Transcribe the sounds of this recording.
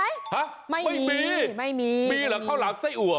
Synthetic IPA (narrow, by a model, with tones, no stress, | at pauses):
ha˦˥ʔ | ma˥˩jma˥˩jmiː˧ma˥˩jmiː˧miː˧lɛː˨˦kʰaː˥˩˧wlaː˨˦msaː˥˩jʔu˨˩ə